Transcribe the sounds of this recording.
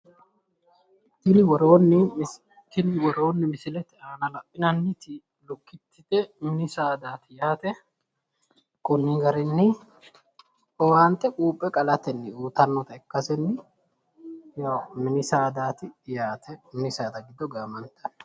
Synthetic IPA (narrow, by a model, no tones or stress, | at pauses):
kɪlɪwɔɾoːnːɪ | kɪlɪwɔɾoːnːɪmɪsɪlɛt̪ɪaːnɐlɐpʼːɪnɐnːɪt̪ɪ | lʊkːɪt̪ːɪd̪ɛmɪnɪsaːd̪aːt̪ɪjaːt̪ɛ | kɔnːɪɡɐɾɪnːɪ | ɔwant̪ʼːɛkʼuːpʼːɛkʼɐlɐt̪ɛnːɪuːt̪ɐnːɔt̪ɐɛkːɐsɛnːɪ | jaːmɪnɪsaːd̪aːt̪ɪjaːt̪ʰɛmɪnɪsaːd̪ɐɡɪd̪ɔɡaːmɐnt̪ʼːɐ̥n